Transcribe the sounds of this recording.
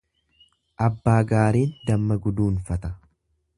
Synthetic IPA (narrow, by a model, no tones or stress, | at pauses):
ʔɐbːaːɡaːɾiːnd̪ɐmːɐɡʊd̪uːnfɐt̪ɐ